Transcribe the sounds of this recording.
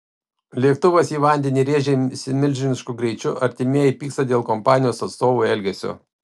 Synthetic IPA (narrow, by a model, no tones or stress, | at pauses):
lʲiɛk̚t̪ʊʋosiːʋɐnʲd̪ʲɛnʲiːɾʲeːʒʲɛsʲɪmʲɪlʲʒʲɪnʲɪʃkʊɡɾʲɛɪt͡ʃʲʊʔɐɾʲt̪ʲɪmʲeɛjɛɪpʲiːkst̪ɐd̪ʲeːlˠkɔmpɑːnʲɪjoːsɐt̪st̪oːʋuːˑɛlʲɡʲɛsʲʊ̰